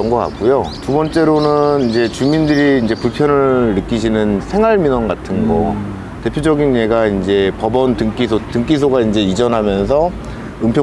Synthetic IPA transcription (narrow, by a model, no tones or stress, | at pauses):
ʌŋɡʌka̰k̚k͈ujotubʌnt͡ɕ͈e̞ɾonɯnind͡ʑe̞t͡ɕumindɯɾiːnd͡ʑe̞puɭpʰjʌnɯɭːɯk͈iɕʰinɯnsʰe̞ŋɦwaɭminʌnɡatʰɯnɡʌ̰ | te̞pʰjod͡ʑʌɡinɲe̞ɡaind͡ʑe̞pʌbʌntɯŋk͈isʰotɯŋk͈is̬ʰoɡaind͡ʑe̞id͡ʑʌnɦamjʌns̬ʰʌ | ɯmpʰjo